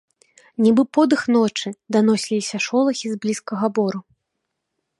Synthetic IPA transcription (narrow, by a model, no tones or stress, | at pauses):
nʲibɨpɔd̪ɨxnɔt͡ʂɨd̪anɔsʲlʲisʲɐʂɔlˠɐxʲizblʲiskɐɣɐbɔɾu